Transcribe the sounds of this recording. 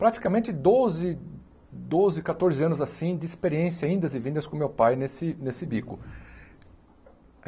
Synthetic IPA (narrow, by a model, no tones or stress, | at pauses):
pɾat͡ʃi̥kɐmẽt͡ʃɪd̪ozɪ | d̪ozɪkat̪oɾzɪɐ̃nʊzasĩd͡ʒ̪ɪːspeɾiẽsjɐaĩnd̪ɐzɪvĩnd̪ɐskõmewpajnesɪnesɪbikʊ̰